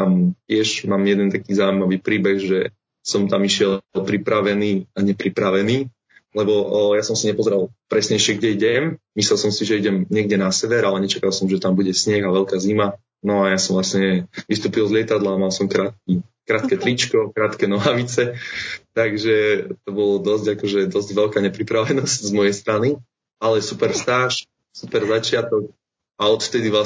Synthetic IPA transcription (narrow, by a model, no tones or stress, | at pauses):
t̪amcɪɛʒmaːmjɛd̪ɛnt̪akiːzawimaʋiːpɾiːbɛɣʒɛ | sɔmt̪amiʃɪɛlpɾipɾaʋɛniːaɲɛpɾipɾaʋɛniː | lɛbɔjasɔmsiɲɛpɔzɛɾalˠpɾɛsɲɛjʃɪɛɡɟɛiɟɛmmislɛlˠsɔmsiʒɛiɟɛmɲɪɛɡ̚ɟɛnasɛʋɛɾalɛɲɛt͡ʃakalˠsɔmʒɛt̪ambuɟɛsɲɛɣaʋɛlkaːzima | nɔajasɔmʋvlasɲɛʋist̪uːpilzlɪɛt̪ad̪lamalsɔmkɾaːt̪̚ki | kɾaːt̪kɛt̪ɾit͡ʃkɔkɾaːt̪kɛnɔɦaʋit͡sɛt̪aɡʒɛt̪ɔbɔlɔd̪ɔzɟakɔʒɛd̪ɔzɟʋɛlkaːɲɛpɾipɾaʋɛnɔsczmɔjɛjst̪ɾani | alɛsupɛɾfst̪aːʃ | supɛɾzat͡ʃɪat̪ɔk̚ | aɔt̪ft̪ɛd̪iʋla